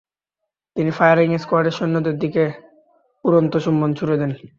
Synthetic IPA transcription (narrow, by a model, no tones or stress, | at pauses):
t̪inifajaɾiŋeskoaɾɖeɾʃonːod̪ed̪ike | puɾont̪oʃumːont͡ɕʰuɾed̪ɛn